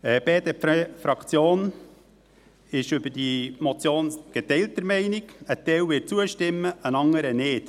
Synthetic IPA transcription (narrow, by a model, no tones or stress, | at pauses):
ɛb̥eːd̪ɛffɾɑkt͡sjoːn | ɪʃʏbədimɔt͡sjoːnɡ̥etɛɪltəɾmɛɪnɪɡətɛɪwʋɪt̚t͡suəʃtɪmːəənɑŋəɾənɪːt